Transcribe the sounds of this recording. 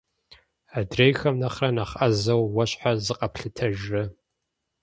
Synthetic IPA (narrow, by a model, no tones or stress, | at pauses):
adrejxɐmnɐχrɐnaχɐzɐwwɐɕħazɨqʼɐpɬɨtʰɐʒrɨ